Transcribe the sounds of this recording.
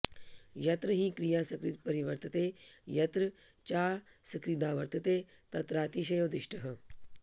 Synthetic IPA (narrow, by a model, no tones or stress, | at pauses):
jɐt̪ɾəɦiːkɾijaːsɐkɾit̪pɐɾiʋɐɾt̪ət̪eːjɐt̪ɾət͡ʃaːsɐkɾid̪ãːʋɐɾt̪ɐt̪eːt̪ɐt̪ɾaːt̪iʃ̬ɐjoːd̪ɪʃʈɐɦɐ